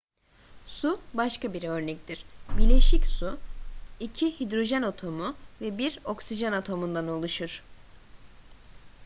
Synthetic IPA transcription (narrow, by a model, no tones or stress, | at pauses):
subaʃkabiɾø̞ɾnɛc̚t̪ʰiɾ̥biɾlʲeʃicsu | icʰihid̪ɾo̞ʒɛnot̪ʰo̞mʊvɛbiɾo̞ksiʒanat̪ʰo̞mund̪anolˠuʃuɾ̥